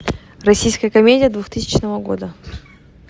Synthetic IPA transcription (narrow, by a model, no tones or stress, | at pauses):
rɐsʲijskəjəkɐmʲedʲɪjəd̪vuxt̪ɨsʲɪ̥t͡ɕnəvəɡo̞̰d̪ə